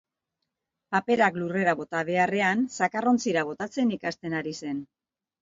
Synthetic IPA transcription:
pape̞ɾaklure̞ɾaβo̞t̪aβ̞e̞are̞ansakaro̞nt͡siɾaβ̞o̞t̪at͡se̞nikast̪e̞naɾise̞n

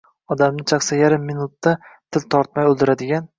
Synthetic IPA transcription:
ɒd̪amnɪt͡ʃʰaχsajaɾɪmːɪnʊt̪ːat̪ʰɪlt̪ʰɒɾt̪̚majolˠd̪ɪɾad̪ɪɡʲan

